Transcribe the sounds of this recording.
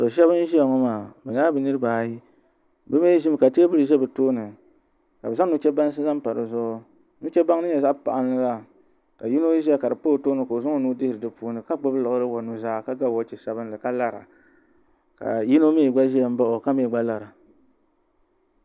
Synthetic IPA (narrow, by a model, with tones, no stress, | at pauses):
sɔ˨ʃɛ˦bɨ˦n˦ʒi˦a˨ŋɔ˦maː˨bɛ˨ɲ˦aː˦bɨ˨nɨ˦ɾɨ˦baː˨ji˦ | bɨ˦me˦ʒi˦m˨ka˨ti˦a˦bɨ˦ɾɨ˨ʒɛ˦bɨ˨toː˦nɨ˨ | ka˨bɨ˨za˦nu˦t͡ʃɛ˦ba˦n˦s̬ɨ˦za˦m˦pa˨ɾɨ̰˨zɔ˦ | nu˦t͡ʃɛ˦ba˦ŋ˦nɨ˦ɲɛ˨za˦ʔpa̰˨ʔa˨n˦lɨ˦la˦ | ka˨ji˦no˦ʒi˦a˨ka˨dɨ˨poː˦˨˦toː˦nɨ˨ko˨zʊ˦ŋo˦nuː˦dɪ˦hɾɨ˨dɨ˦puː˦nɨ˨ka˦ɡ͡bʊ˦blɔ˨ʔɾɨ˦wa˨nu˦zaː˦ka˦ɡa˦˨ɔ˦t͡ʃɛ˨sa˨bɨ˦nlɨ˨ka˦la˦ɾa̰˨ | ka̰˨ji˦no˦mi˦˨ɡ͡ba˦ʒi˦a˨m̩˦ba˦ʔo˨ka˦mi˦˨ɡ͡ba˦la˨ɾa˨